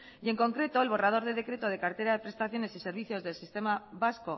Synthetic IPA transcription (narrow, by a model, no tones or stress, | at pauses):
ie̞ŋko̞ŋkɾe̞t̪o̞e̞lβo̞rað̞o̞ɾðeðe̞kɾe̞t̪o̞ð̞e̞kaɾt̪e̞ɾaðe̞pɾe̞st̪aθjo̞ne̞sise̞ɾβiθjo̞zðe̞lsist̪e̞maβasko